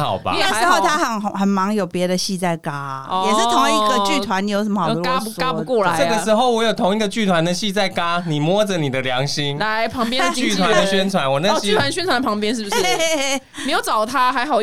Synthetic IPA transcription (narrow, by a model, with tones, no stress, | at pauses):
xɑ̰˨˩ʊba̰˧˩a˥˩ʂɻ̩˧˥xo˥˩ʊt̪ʰa˥xə˨˩n˨˩xə˨˩nmɑ˧˥ŋjo˨˩ʊpjɛ˧˥d̪ə˨˧ɕi˥˧t͡sa˥˩ɪka˦˥jɛ˨˩ʂɻ̩˥˩t̪ʰo˧˦ŋi˧˥ɡə˨t͡ɕy˥˧t̪ʰwa˧˦ni˨˩jʊʂə˨˩m˦˥xə˦˧wɔ˥˦pu˧˦ska˥˦˥ukwɔ˥˩la˨˦˧ə˥˨ɡə˨ʂɻ̩˧˥˦xo˥˩ʊwɔ˧˦jo˨˩ʊt̪ʰʊ˧˥ŋi˧˩ɡə˨t͡ɕy˥˩t̪ʰwa˧˦nd̪ə˨ɕi˥˧t͡sa˥˧ɪka˦ni˨˩mwɔ˦d͡zə˨ni˨˩d̪ə˦lja˨˧˦ŋɕi˦ŋla˨˦ɪpʰɑ˧˦ŋpjɛ˥ny˥˨˩t̪ʰwa˦˥˦d̪ə˧˦ɕɥɛ˥nt͡sʰwa˧˦nwɔ˨na˥˧iy˥˩wa˧˦˧ɕɛ˥nt͡sʰwa˨˦na˥pʰɑ˧˥ŋp̬jɛ˥nʂɻ̩˥˩bu˩˥ | me˧˥jo˨˩ʊt͡sɑ˨˩ʊt̪ʰa˦xa˧˥ɪxɑ˨˩ʊ